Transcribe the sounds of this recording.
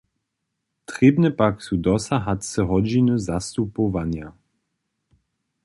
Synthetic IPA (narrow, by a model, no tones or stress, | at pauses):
t̪ɾɛbnɛpaksud̪ɔsaɦatʲsɛɦɔd͡ʑinuzast̪upovanja